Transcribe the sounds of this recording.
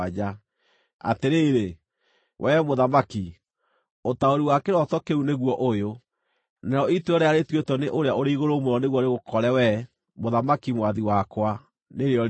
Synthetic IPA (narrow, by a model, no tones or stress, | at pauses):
d͡ʒa | a̰teɾeːɾe | wʔɛmoðamaki | otaoɾiwakeɾɔtɔkeuneɣwɔʔojo | nɛɾɔituɔɾeaɾetwetɔneʔoɾeaoɾeiɣoɾomoɾɔneɣwɔɾeɣokɔɾɛwɛ | moðamakimwaðiwakwa | neɾeɔ